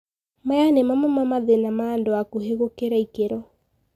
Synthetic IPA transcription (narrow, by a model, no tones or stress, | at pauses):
majanemamamamaðenamaːndoakuɦeɣokeɾaikeɾɔ